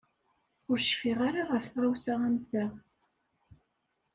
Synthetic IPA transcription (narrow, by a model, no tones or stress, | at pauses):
ʊɾʃfiʁaɾaʁəfθʁæwsaæmθæ